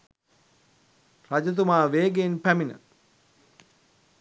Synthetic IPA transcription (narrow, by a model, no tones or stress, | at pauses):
rad͡ʒət̪̬umaːʋeːɡenpæminə̰